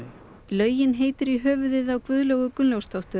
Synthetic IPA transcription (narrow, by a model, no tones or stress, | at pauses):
lœːɥjɪnɦeːjt̪ɪɾiɦœːvʏðɪðawkvʏðlœɣʏkʏnljowst̪ʰɔwht̪ʏ